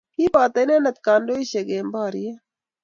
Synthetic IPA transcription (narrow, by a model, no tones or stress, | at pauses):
kiːbaːt̪ɐjneːnɐt̪̚kaːndoːiɕeɡeːmbaːɾije